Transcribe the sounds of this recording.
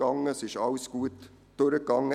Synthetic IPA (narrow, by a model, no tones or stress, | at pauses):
ɑŋəsɪʃɑʊsɡ̥uːət̪ | d̥øɾəkɡɑŋə